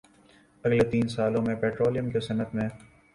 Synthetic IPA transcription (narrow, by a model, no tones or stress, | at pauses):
ɐɡlet̪iːnsaːlõmẽpɛːʈɾoːlijəmkesɐnət̪mẽ